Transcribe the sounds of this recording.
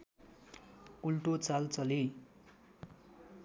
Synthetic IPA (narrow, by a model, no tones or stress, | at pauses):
ulʈot͡salt͡sʌli